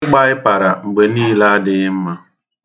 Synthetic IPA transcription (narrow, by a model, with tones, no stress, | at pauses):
k͡pa˦ɪ˦pa˨ɾa˨ŋ͡m̩˨ɡ͡be˨niː˦la˦a˦dɪ˦ɣɪ˦m̩˦ma˦